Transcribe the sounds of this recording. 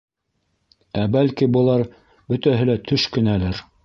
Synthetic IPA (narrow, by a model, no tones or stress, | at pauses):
æbælkibɤ̆lˠɑɾ | bɵ̆t̪æɦɘlæt̪ʰɵʃkɵ̆nælɘɾ